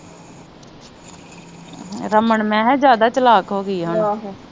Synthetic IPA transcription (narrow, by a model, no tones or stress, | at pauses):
ɾəməɳmɛ̃ːɦɛd͡ʒjaːd̪aːt͡ʃəlaːkɦoːɡəiːɦaːn